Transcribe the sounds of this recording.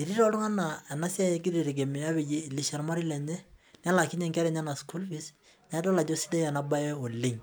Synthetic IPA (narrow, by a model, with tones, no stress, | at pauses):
e˨ɾi˦ɾɔ˦ɾʊ˦ŋa˦na˨ɛ˨na˦si˦a˦je˨ɡ̬i˦ɾi˨ɾe˨ɡe˨mɪ˨a˦βe˨je˦˨li˨ʃa˨ɾma˦ɾi˦lɛ˨ɲɛ˦n˦a˦la˨kɪ˦ɲɛ˦ŋkɛ˦ɾɛ˨ɲa˦na˨sku˦lfi˦s | mɛ˨˦dɔ˦la˨d͡ʒo˦si˦de˦jɛ˨na˦ba˦ɛ˦o˨le˦ŋ